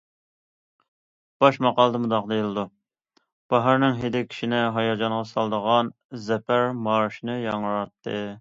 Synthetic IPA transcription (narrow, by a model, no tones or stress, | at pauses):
b̥ɑʃmɑqɑlˠəd̪əmud̪ɑqd̪ɨjlˠɨd̪u | b̥ɑɦɑɾnɪŋɦed̪ɪkʲʰi̥ʃinɪɦɑjɑd͡ʒɑɴʁɑsɑlˠd̪əʁɑn | zɛpʰæɾmɑɾʃinɨjɑŋəɾɑt̪ʰːɨ